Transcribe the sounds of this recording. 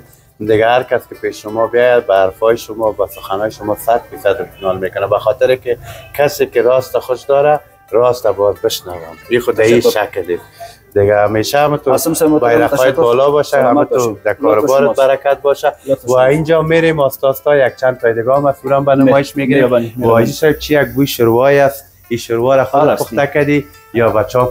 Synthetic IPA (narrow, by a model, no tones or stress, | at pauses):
d̪ɪɡaaɾkaskɪpeʃʃʊmɔbjɔjabaːɾfɔjɪʃʊmɔbasʊxanɔjʃʊmɔsad̪fisad̪ɪt̪ɪnɔlmekʊnabaxɔt̪ɪɾɪkɪkasekɪɾɔst̪axʊʃd̪ɔɾa | ɾɔst̪abɔzbɪʃnawa̰mixʊd̪aiʃakld̪es | d̪ɪɡaameʃaamət̪obajɾaxɔjɪt̪bɔlɔbɔʃaɦamət̪od̪akɔɾʊbɔɾɪbaɾakat̪̚bɔʃawaind͡ʒɔmeɾemɔst̪ɔst̪ɔjak̚t͡ʃand̪̚p̪ɔjd̪ɪɡɔmasuɾambanɪmɔɪʃmeɡiɾewɔd͡ʒisab̚t͡ʃijaɡ̚bujʃʊɾwɔjas | iʃʊɾwɔɾaxʊd̪t̪pʊxt̪akad̪i | jɔbat͡ʃɔ